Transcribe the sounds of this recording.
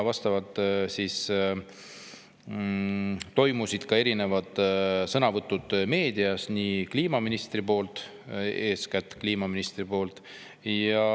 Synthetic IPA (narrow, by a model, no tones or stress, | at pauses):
vɑst̪ɑvɑd̪̥sis | t̪o̞jmusid̪̥kɑe̞ɾine̞vɑd̪̥sɤnɑvɤt̪ˑːud̪̥me̞ːd̪iɑsnikliːmɑminist̪ripo̞ːlt̪ˑ | e̞ːskæt̪ːˑkliːmɑminist̪ripo̞ːlt̪ | jɑ